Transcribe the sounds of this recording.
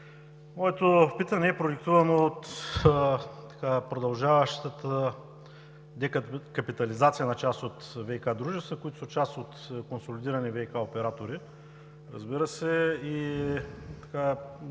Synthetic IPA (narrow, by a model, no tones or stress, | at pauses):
mɔɛt̪ofpit̪ɐnɛːpɾoɛkt̪uvɐnoːt̪ | t̪ɐ̥kapɾod̪ɐlˠʒavɐʃt̪ət̪ə | d̪ɛkkɐpit̪ɐlizat̪sijənɐt͡ʃast̪ot̪vɛikad̪ɾuʒɛst̪əkoit̪ʊ̥sɐt͡ʃast̪ot̪konsolid̪iɾɐnivɛikaopɛɾat̪oɾi | ɾɐ̰zbiɾəsɛi | t̪ɐ̥ka